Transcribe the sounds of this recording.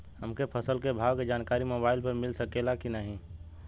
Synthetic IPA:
həmkepʰəsəlkebʱaːʋked͡ʒaːnkaːɾimoːbaːɪlpəɾmɪlsəkelakinaːɦĩ

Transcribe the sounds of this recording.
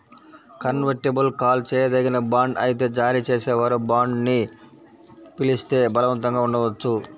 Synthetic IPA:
kɐnʋɐɾʈibɐlkaːlt͡ʃɛːjɐd̪ɐɡinɐbaːɳɖɐ̰jt̪̬e̞ːd͡ʒaːɾiːt͡ʃeːsɛːʋaːɾubaːɳɖni | pilist̪e̞ːbɐlɐʋɐnt̪ɐŋɡaːuɳɖɐʋɐt͡ʃːu

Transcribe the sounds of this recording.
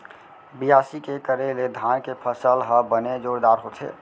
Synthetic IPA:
bijaːsikekəɾeled̪ʱaːnkepʰəsəlɦəbəned͡ʒoːɾd̪aːɾɦot̪ʰḛː

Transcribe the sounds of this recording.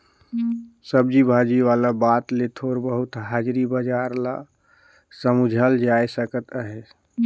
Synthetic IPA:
səb̚d͡ʒibʱad͡ʒiʋalabaːt̪let̪ʰoɾbəɦʊt̪ɦaːd͡ʒɾibəd͡ʒaːɾla | səmud͡ʒʱald͡ʒaːesəkət̪aɦɛ

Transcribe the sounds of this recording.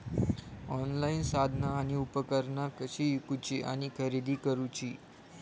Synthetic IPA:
ɔnlainsad̪ʱnaːɽ̃iupəkəɾnakəɕiːjukut͡ɕiʔa̰ɽ̃ikʰəɾid̪iːkəɾut͡ɕiː

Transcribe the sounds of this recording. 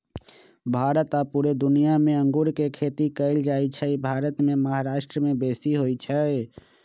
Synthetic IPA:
bʱaːɾət̪apuːɾed̪ʊnijamẽə̃ŋɡuɾkekʰeːt̪ikəɪld͡ʒaːit͡ʃʰɛibʱaːɾət̪mẽməɦaɾaːʃʈɾəmẽbeːsiɦoit͡ʃʰɛ

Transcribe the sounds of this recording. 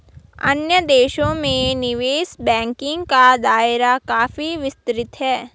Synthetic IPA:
ɐ̰njəd̪eːʃõmẽnɪʋeːsbɛ̃ːŋkɪ̃ŋɡkad̪aːɪɾakaːfiʋɪst̪ɾɪt̪ɦɛː

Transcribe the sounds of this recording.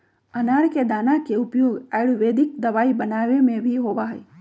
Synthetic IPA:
ənaɾked̪aːnakeʊpjoːɡɛɭʋeːd̪ɪk̚d̪əʋaːibənaːʋemẽʋiɦoʋaɦəe

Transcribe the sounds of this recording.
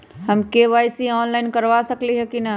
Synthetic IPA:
hɐmkeʋaːjsiɔːnlaːɪnkɐɾʋasɐkliɦɛkinɐ

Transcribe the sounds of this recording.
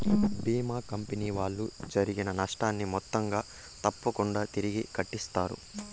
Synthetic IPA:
biːmaːkɐmpeniːʋaːɭːud͡ʒɐɾiɡinɐnɐʂʈaːnːimɔt̪ːɐŋɡaː | t̪ɐpːɐkuɳɖaːt̪iɾiɡikɐʈːist̪aːɾṵ

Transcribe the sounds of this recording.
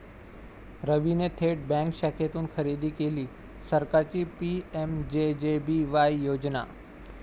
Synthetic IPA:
ɾəʋinet̪ʰeːʈ̚bɛ̃ːŋkʃɛːkʰet̪unxʰɐɾiːd̪ikeːli | səɾkaːɾt͡ɕipiemd͡ʑed͡ʑebiʋaːijoːd͡ʑna̰

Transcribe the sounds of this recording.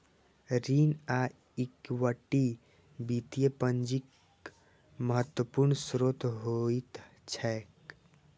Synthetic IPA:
ɾiːna | ikwəʈi | bit̪ijepənd͡ʒik | məɦət̪ːwəpuɾɳsɾot̪ɦoit̪ | t͡ʃʰɛk

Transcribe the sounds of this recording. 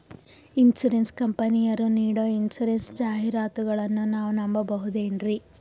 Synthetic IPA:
insuɾenskɐmpɐnijɐɾuniːɽoːinsuɾensd͡ʒaːɦiɾaːt̪uɡɐɭɐnːunaːʋunɐmbɐbɐɦud̪eːnɾi

